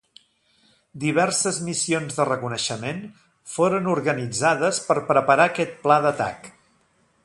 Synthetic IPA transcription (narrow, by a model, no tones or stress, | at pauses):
d̪iβ̞ɛrsəzmisionzðərəkunəʃəmen | foɾənuɾɣənid͡zaðəspəɾpɾəpəɾakɛt̪̚plaðət̪a̰k